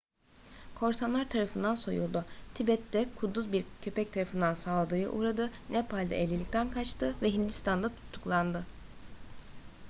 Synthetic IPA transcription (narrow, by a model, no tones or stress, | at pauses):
kʰo̞ɾsanlˠaɾt̪ʰaɾafɯnd̪anso̞̰jṵlˠd̪ut̪ʰibɛt̪ːɛkʰud̪ːuzbiɾcʰøpɛc̚t̪ʰaɾafɯnd̪ansaːlˠad̪ɯjɯ̰ʔuːɾad̪ɯnɛpʰalʲd̪a̰ʔelʲːilʲicʲt̪ʰænkʰat͡ʃt̪ʰɯvɛɦind̪ist̪ʰand̪at̪ʰu̥t̪ʰːu̥klˠand̪ɯ